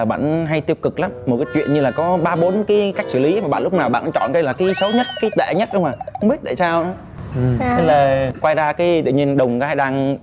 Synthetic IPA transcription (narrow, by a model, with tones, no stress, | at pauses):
a˨˩ɓa̰ː˧˨nɦa˧jt̪i˧əw̚kɨ˨˩k̚laː˨˦mː˨˩t̚kaː˨˦jt͡ɕwḭ˧˨ənɲɨ˧laː˨˩kɔ˨˦ɓaː˧ɓo˨˦nkaː˨˦jka˦˥jk̟̚sɨ˧˩li˨˦maː˨˩ɓa̰ː˧˨nlʊ˦˥k͡p̚naː˨˩wɓa̰ː˧˨nʔt͡ɕɔ̰˧˨nkə˧jlaː˨˩kaː˨˦jsə˨˦wɲə˦˥t̚kaː˨˦jt̪ḛ˧˨ɲə˦˥t̚ɗə˧wŋ͡mmaː˨˩xə˧ŋ͡mɓi˦˥ət̚t̪a̰ː˧˨saː˧wnɔ˨˦ | e˨˧ləː˨˩kwaː˧jzaː˧kaː˨˦jt̪ɨ̰˧˨ɲi˧ənɗə˨˩wŋ͡mka˨˦haː˧jɗaː˧ŋ